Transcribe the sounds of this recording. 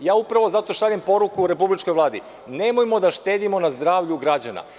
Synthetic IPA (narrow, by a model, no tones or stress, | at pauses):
jaːupɾaʋo̞zat̪o̞ʃaʎempo̞ɾukuːɾe̞publit͡ʃkojʋlˠaːd̪i | ne̞mojmo̞d̪aʃt̪eːd̪imo̞nazd̪ɾaːʋʎuɡɾad͡ʑana̰